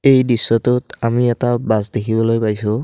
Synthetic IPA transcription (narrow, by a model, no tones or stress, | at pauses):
ejdisːɔtutamiɛtabasdekʰibɔlojpajsu